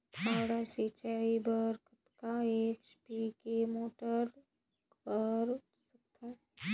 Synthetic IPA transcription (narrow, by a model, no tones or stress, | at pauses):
t̪ʰaːɽaset͡ʃaibəɾkət̪kaet͡ʃpikemoːʈəɾ | bəɾ | sək̚t̪ʰã